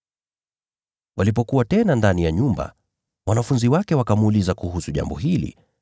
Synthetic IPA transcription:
wʔalip̬ɔkuwatɛnandanijaɲumba̰ | wanafunziwakɛwakamuːlizakuhusuʄa̰mbɔɦilḭ

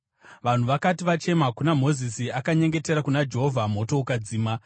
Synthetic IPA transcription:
ʋan̤uʋakatiʋat͡ʃe̞makunam̤o̞zisiakaɲe̞ŋɡe̞te̞ɾakunad͡ʒe̞ɦo̞vʱam̤o̞to̞ukad͡ziːma

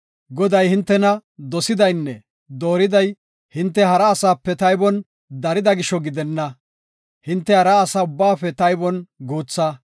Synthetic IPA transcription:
ɡɔd̪ɐjhɪnt̪ːɛnɐd̪ɔsɪd̪ɐjnːɛ | d̪o̞ːɾɪd̪ɐj | hɪnt̪ːɛɦɐɾɐːsaːpːɛt̪ɐjbɔn | d̪ɐɾɪd̪ɐɡɪʃɔɡɪd̪ɛnːɐ | hɪnt̪ːɛɐɾɐːsɐʊbːaːpɛt̪ɐjbɔnɡuːt͡sːɐ

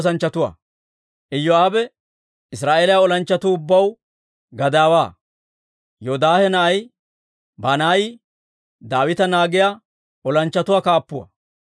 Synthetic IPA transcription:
sɐnt͡ʃːɐt̪ʊwa̰ː | ʔɪjːɔaːbɛ | ɪsɾaːʔeːlɐjaɔlɐnt͡ʃːɐt̪uːʊbːɐw | ɡɐd̪aːwaː | jod̪aːhɛnɐʔɐj | bɐnaːjɪ | d̪aːwɪt̪ɐnaːɡɪja | ɔlɐnt͡ʃːɐt̪ʊwaːkaːpːʊwɐ̰

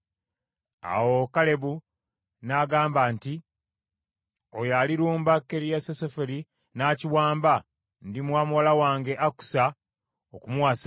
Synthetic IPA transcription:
a̰wokale̞βu | naɡaːmbaːnti | ojaliɾuːmbakːe̞ɾijasesofeɾi | naːciwaːmba | ndimwaːmuwalawaːŋɡe̞ʔaku̥sa | okumuwas

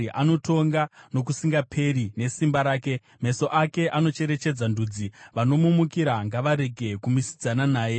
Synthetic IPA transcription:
ʔano̞to̞ŋɡano̞k̬usiŋɡapʰe̞ɾine̞simbaɾaːke̞ | me̞so̞ʔake̞ʔano̞t͡ʃe̞ɾe̞t͡ʃe̞d͡zandud͡ziʋano̞mumukiɾaŋɡaʋaɾe̞ɡʱe̞kumisi̥d͡zananaːje

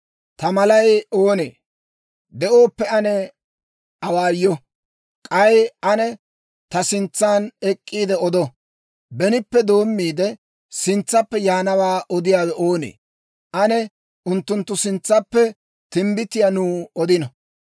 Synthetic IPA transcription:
t̪ɐmɐlɐjo̞ːnḛː | d̪ɛʔo̞ːpːɛɐnɛ | ɐwaːjːɔ | kʼɐjɐnɛ | t̪ɐsɪnt͡sːaːnɛkʼːiːd̪ɛɔd̪ɔ | bɛnɪpːɛd̪o̞ːmːiːd̪ɛ | sɪnt͡sːɐpːɛjaːnɐwaːʔɔd̪ɪjaːwɛʔo̞ːnḛː | ʔɐnɛ | ʊnt̪ːʊnt̪ːʊsɪnt͡sːɐpːɛ | t̪ɪmbɪt̪ɪjanuːɔd̪ɪnɐ

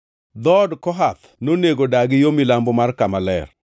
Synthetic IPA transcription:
d̪ɔdkɔɦat̪ | noneɡodaɡɪjomilambɔmarkamalɛ̰r

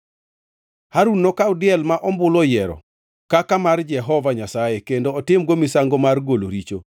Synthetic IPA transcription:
haɾunːɔkaʊdɪɛlmaʔɔmbʊlɔjɛɾɔ̰ | kakamard͡ʒɛɦɔvaɲasajekendoːtɪmɡomɪsaŋɡomarɡoloɾit͡ʃo

